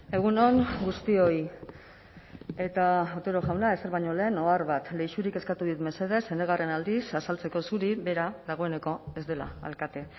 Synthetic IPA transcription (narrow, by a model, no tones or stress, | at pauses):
e̞ɣ̞uno̞ŋɡust̪io̞j | e̞t̪aat̪e̞ɾoʝawnae̞seɾβajɲo̞le̞ːno̞aɾβat̪le̞jʃuɾike̞skat̪uðit̪me̞se̞ð̞e̞se̞neɣ̞are̞nald̪isasalt͡se̞ko̞suɾiβe̞ɾaðaɣ̞o̞e̞ne̞ko̞e̞zd̪e̞la̰a̰lkat̪e̞